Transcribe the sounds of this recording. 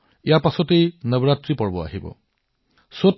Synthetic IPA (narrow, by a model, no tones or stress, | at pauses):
ijapasɔtejnəbɔɹatɹipɔɹbɔa̰ɦibɔ̰ | so